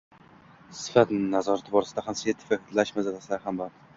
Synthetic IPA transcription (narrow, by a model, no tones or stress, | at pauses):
sɪ̥fat̪nazɒɾat̪ʰɪbɒɾɪsɪd̪ahamsjet̪ʰːɪ̥fakt̪laʃmazalasɪlaɾhamban